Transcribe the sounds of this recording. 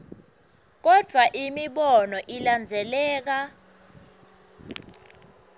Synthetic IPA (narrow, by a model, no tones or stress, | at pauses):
k̬ɔd̥ʱwaʔimiɓɔnɔʔiland͡zʱɛlɛːk̬a